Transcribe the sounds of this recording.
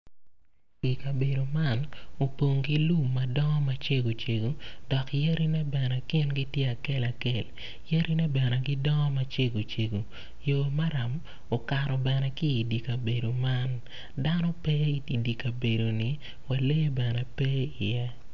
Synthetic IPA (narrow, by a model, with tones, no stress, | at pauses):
ki˨ka˨be˨do˨ma˦no˨po˨ŋɡi˦lu˦˨mːɐ˨dɔ˦ŋɔ˦ma˦t͡ʃe˦ɡo˨t͡ʃe˨ɡo˨dɔ˨kje˦ɾi˦nɛ˦bɛ˨nɛ˨kɪ˦nɡi˦tje˦a˨kɛ˦la˨ke˨l | je˦ɾʔi˦nɛ˦bɛ˨nɛ˨ɡɪ˦dɔ˦ŋɔ˦ma˦t͡ʃe˦ɡo˨t͡ʃe˨ɡo˨ | joː˨ma˦ɾa˨m | o˨ka˨ɾɔ˨bɛ˨nɛ˦kɪː˦˨di˨ka˨be˨do˨ma˦n | da˦nɔ˦pe˦i˨i˨di˨ka˨be˨do˨nɪ˨ | wa˨le˦bɛ˨nɛ˦pe˦ɪ˨jɛ˦